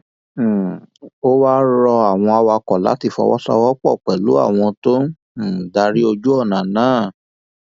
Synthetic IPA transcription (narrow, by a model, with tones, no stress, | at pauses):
o˦wa˦ɾɔ˧a˨w̃ɔ̃˧a˧wa˧kɔ˨la̰˨˦ti˦˧˨fɔ̰˧wɔ̰˦sɔ̰˧˦wɔ˦k͡pɔ˦˨k͡pɛ˨lu˨˦a̰˦˨w̃ɔ̃˧tõ˦˨ | da˧ɾi˦o˧d͡ʒu˦ɔ˦˨nã˨nãː˨˦˨